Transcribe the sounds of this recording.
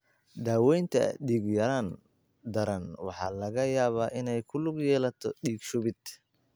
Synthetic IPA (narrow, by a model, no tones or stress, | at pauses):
d̪aːwɛjnt̪ʰɐ̰ɖiːɡjɐɾaːn | d̪ɐɾɐnwɑ̰ħɑ̰ːlɐɣɐjaːβaːʔɪnɛjkʰʊlʊɡjɛːlɐt̪ʰɔ̰ɖiːɡʃʊβɪd̪̥